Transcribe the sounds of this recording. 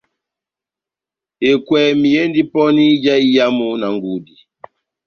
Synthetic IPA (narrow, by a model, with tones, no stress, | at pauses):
e˨kwɛ˨mi˨jɛ˦ndi˦pɔ˦ni˦d͡ʒa˦i˦ja˦mu˦na˨ŋɡu˨di˨